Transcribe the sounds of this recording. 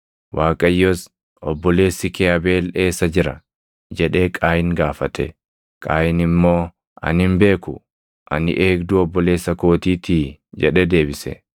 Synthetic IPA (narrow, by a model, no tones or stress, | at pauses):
wʔaːkʼɐjːos | ʔɔbːɔle̞ːsːɪkɛɐbe̞ːle̞ːsːɐd͡ʒɪɾɐ | d͡ʒɛᶑe̞ːkʼaːjɪŋɡaːfɐt̪ʰɛ̰ | kʼaːjɪnɪmːo̞ː | ʔɐ̰nhɪmbe̞ːkʊ | ʔɐ̰nɪ̰ʔeːkd̪ʊɔbːɔle̞ːsːɐko̞ːt̪iːt̪iːd͡ʒɛᶑɛd̪e̞ːbɪsɛ̰